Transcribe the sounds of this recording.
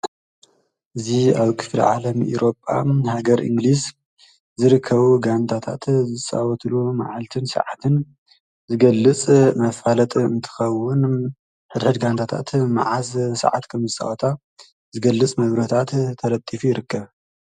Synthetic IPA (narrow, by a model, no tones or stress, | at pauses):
ʔɨziaβkʰɨ̥flḭʕalɐmʔḭɾo̞pʼːa̰haɡɐɾʔɨ̰ŋɡlis | zɨɾɨkʰːɐβuɡant̪ʰat̪ʰa̰t̪zɨt͡sʼa̰wɔt̪ʰluma̰ʕalt̪ʰɨnsɨ̰ʕat̪ʰɨn | zɨɡɐlːɨt͡sʼmɐfalɐt̪ʼɨ̰nt̪ʰɨ̥xɐwːʊn | ħɨd̪ħɨd̪ɡant̪ʰat̪ʰa̰t̪ma̰ʕazsɨ̰ʕa̰t̪kʰɐmzɨsʼa̰ʔot̪ʰa | zɨɡɐlːɨt͡sʼmɐβɾɐt̪ʰat̪t̪ʰɐɾɐt̪ʼːifujɪɾɨkʰːɐβ